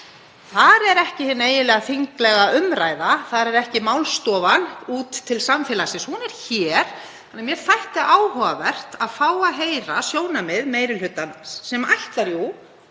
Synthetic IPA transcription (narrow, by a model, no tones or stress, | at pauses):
θaɾɛɾɛhcɪhɪnːeːjɪlɛːɣaθiŋklɛɣaʔʏmɾaːjðaθaðɾɛɾɛhcɪmawlst̪ɔːvanuːt̪ʰːɪlsamfɪːlasɪshunɛɾ̥çɛɾ̥ | θanːamjɛɾ̥θajht̪ɪʔaːwhɔvavɛr̥t̪aðfaːwaðɦeːjɾasjoːwnamɪðmeːjɾɪlhʏt̪ːansɛmajht̪laɾju